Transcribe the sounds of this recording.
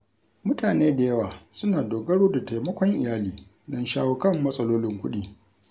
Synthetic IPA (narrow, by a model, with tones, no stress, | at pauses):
mʊ˦taː˨neː˦da˨jɐ˦waː˨sʊ˦naː˨doː˨ɡɐ˦ɽoː˦da˨ta˨jmɐ˦kʷɔ˦ŋʔɪ˨jaː˦liː˨ | dɐ˦nʃaː˦wo˦kɐ˦˨mːɐ˦sʼɐ˦loː˦lɪ˦ŋkʷʊ˦ɗiː˦